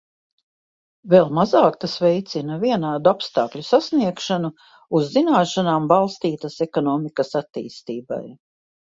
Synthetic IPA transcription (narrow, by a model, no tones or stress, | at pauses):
velˠmazaːk̚t̪asvɛjt̪sinɐviɛnaːd̪uapst̪ɑːklʲusasniɛkʃanu | uzːinaːʃanaːmbalˠst̪iːt̪asɛkɔnɔːmikɐsat̪ːḭːst̪iːba̰j